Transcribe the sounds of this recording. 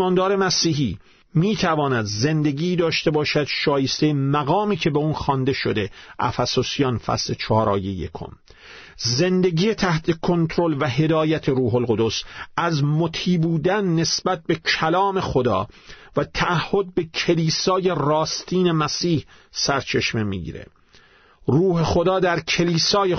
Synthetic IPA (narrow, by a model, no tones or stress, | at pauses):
mɒːnd̪ɒːɾe̞mæsiːɦiː | miːt̪ʰævɒːnæd̪ze̞nd̪eɡiːd̪ɒːʃt̪e̞bɒːʃæd̪̥ʃɒːje̞st̪ejemæɣɒːmiːkʰe̞be̞uːnxɒnd̪e̞ʃo̰d̪e̞ʔæ̰fæsosijɒnfæ̰sle̞t͡ʃʰɒːɾɒ̰ːjejḛkʰo̰m | ze̞nd̪e̞ɡiːje̞t̪ʰæht̪ʰe̞kʰo̞nt̪ʰɾo̞lvæɦe̞d̪ɒːjæt̪ʰeɾuːɦolɣo̞d̪osæzmot̪ʰiːbuːd̪ænːe̞sbæt̪̚be̞kʰælɒːme̞xod̪ɒ̰ː | væt̪ʰæʔæhːo̞d̪̚be̞cʰe̞liːsɒːje̞rɒːst̪ʰiːne̞mæsiːhsæɾt͡ʃʰe̞ʃmemḭːɡḭːɾḛ | ruːhe̞xo̞d̪ɒːd̪æɾkʰe̞liːsɒːje